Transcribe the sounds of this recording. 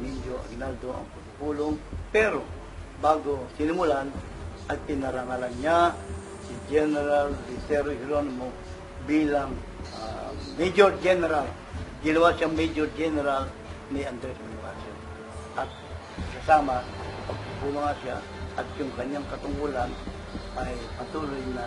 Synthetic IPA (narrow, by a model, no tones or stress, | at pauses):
mɪnd͡ʒoʔɐ̰ɡnald̪oʔɐ̰ŋpʊlʊpuːloŋpɛɾo | baːɡosɪnʊmʊlan | ʔɐt̪pɪnɐɾaŋalaŋɲa | sɪd͡ʒɛnɛɾaldɪsɛɾohɪlonmo | biːlaŋ | amɛd͡ʒoɹd͡ʒɛnɛɾal | ɡɪnɐwaʃaŋmɛd͡ʒoɾd͡ʒɛnɛɾal | nɪand̪ɾɛsmanɪpason | ʔɐt̪̚ | kɐsaːmapɐɡ̚pubumaŋasa̰ | ʔɐt̪̚jʊŋkɐɲːaŋkɐt̪ʊŋɡulan | ʔajpɐt̪uːlʊjna